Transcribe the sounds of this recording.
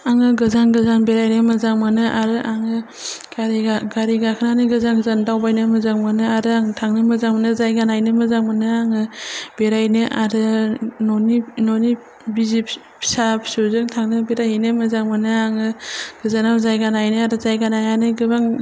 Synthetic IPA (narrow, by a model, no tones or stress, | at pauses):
aŋɯɡɯzanɡɯzanbeɾajnɯmɯzaŋmanɯʔaɾɯʔaŋɯ | ɡaɾiɡaɡaɾiɡakʰɯnanɯɡɯzaŋɡɯzandawbajnɯmɯzaŋmanɯaɾɯaŋtʰaŋnɯmɯzaŋmanɯzajɡanajnɯmɯzaŋmanɯaŋɯb̥eɾajnɯʔaɾɯnɔninɔni | bizip | sapʰsuzɯŋtʰaŋnɯbeɾajinɯmɯzaŋmanɯaŋɯɡ̥ɯzanamzajɡanajnɯaɾɯzajɡanajanɯɡɯbaŋ